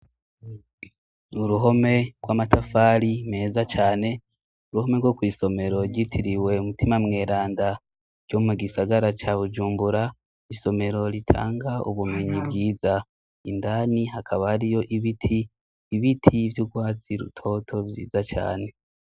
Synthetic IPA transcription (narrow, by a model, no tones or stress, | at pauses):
uɾuɦo̞me̞ɡ̥waːmatʰafaːɾime̞ːzat͡ʃaːne̞ | uɾuho̞me̞ɡwokwiːso̞me̞ɾo̞ɾɟitʰiɾiwe̞umutimamŋe̞ːɾaːnda | ɾɟo̞muɡisaɡaɾat͡ʃaβud͡ʒuːmbuɾa | iso̞me̞ɾo̞ɾitʰa̰ːŋɡaṵβume̞ɲibɡiːza | indaːniɦakʰaβahaɾijo̞ʔiβitʰiː | βitʰivjuɡwaːt͡siɾṵtʰo̞tʰo̞vjḭːzat͡ʃa̰ːne̞